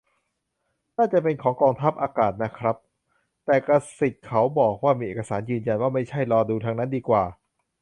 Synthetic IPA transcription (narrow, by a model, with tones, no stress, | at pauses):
naː˥˩t͡ɕa˨˩pe˧nkʰɔː˩˦ŋkɔː˧ŋt̪ʰa˦˥p̚ʔaː˧kaː˨˩t̪̚na˦˥kʰɾa˦˥p̚ | t̪ɛː˨˩kɾa˧se˨˩t̪̚kʰa˩˦˥wbɔː˨˩k̚waː˥˩miː˧ʔeː˨˩kːa˧saː˩˦njɯː˧nja˧nwaː˥˩ma˥˩jt͡ɕʰa˥˩jɾɔː˧duː˧t̪ʰaː˧ŋna˦˥ndiː˧kwaː˨˩